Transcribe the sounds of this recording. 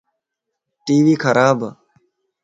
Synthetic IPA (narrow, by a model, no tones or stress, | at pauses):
ʈiːʋiːkʰəɾaːb